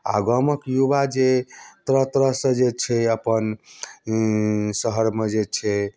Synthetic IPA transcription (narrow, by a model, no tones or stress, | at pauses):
a̰ɡəməkjubad͡ʒet̪ɾət̪ɾəsə̃d͡ʒet͡ʃʰɛəpən | səɦəɾmed͡ʒet͡ʃʰɛ